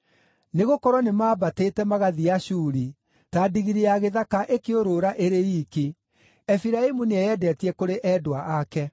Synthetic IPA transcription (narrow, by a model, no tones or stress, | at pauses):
neɣokɔɾɔnemaːbateːtɛmaɣaðiaɕuːɾi | tadiɣiɾeaɣeðakaʔekeoɾoɾaʔeɾeiːke | ɛfiɾaemuneɛjɛdɛtiɛkoɾeʔɛːdoaʔakɛ